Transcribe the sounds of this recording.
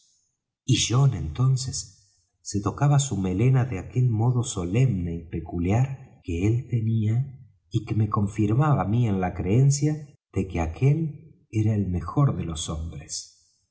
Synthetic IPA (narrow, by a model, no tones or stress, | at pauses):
iʒo̞enent̪o̞nsesː | e̞t̪o̞kaβasume̞le̞naðeake̞lmo̞ðo̞so̞le̞mne̞ipe̞kuljaɾkeelt̪e̞nia | ikemeko̞ɱfiɾmaβamie̞nlakɾeensja | ðe̞keakʰe̞l | eɾaelme̞xo̞ɾðe̞lo̞so̞mbɾes